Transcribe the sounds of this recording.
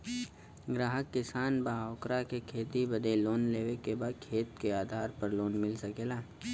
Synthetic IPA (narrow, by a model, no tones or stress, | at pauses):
ɡɾaːɦəkːɪsaːnbaːaːkɾakekʰeːt̪ibɐd̪eloːnleːʋekebaːd̪̚kʰeːt̪keaːd̪ʱaːɾpɐɾloːnmɪlsɐkeːlaː